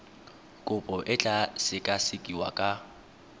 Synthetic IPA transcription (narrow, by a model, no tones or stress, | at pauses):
kʼʊpʼɔʔɪt͡ɬʼasɪkʼasɪkʼiwa̰kʼa